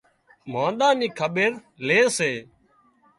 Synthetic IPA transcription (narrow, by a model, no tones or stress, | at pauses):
mãːnɗ̪aːniːkʰəɓeɾ | leːseː